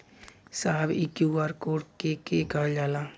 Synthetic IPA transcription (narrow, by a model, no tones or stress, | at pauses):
saːbikjuːaːɾkoːʈkekekald͡ʒaːlaː